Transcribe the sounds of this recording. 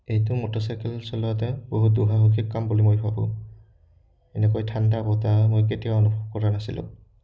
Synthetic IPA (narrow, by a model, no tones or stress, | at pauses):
ejtʊmotɔsajkɛlsɔlɔat̬ɛboɦut̚duɦaɦukʰikkːambulimojbʰabɔ̰̃ | ɛnɛkojtʰandabɔtamojk̬etijaɔnubʱɔb̚kɔɹanasilʊ̰̃